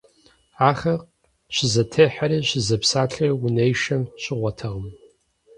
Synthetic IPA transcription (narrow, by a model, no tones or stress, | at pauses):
aːχɐq | ɕɪzɐtʰeːħaɾiːɕɪzɐpsaːɬʰiːwʊnejʃɐmɕɪʁʷɔtʰɐʁəm